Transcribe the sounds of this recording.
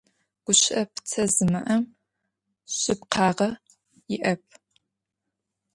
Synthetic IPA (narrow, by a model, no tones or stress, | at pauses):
ɡ̥ʷʊɕʼɐpʰt͡sʰɐzɨmɐʔɐm | ɕʼɪpqʰɑːʁɐ | jɪʔɐp̚ʰ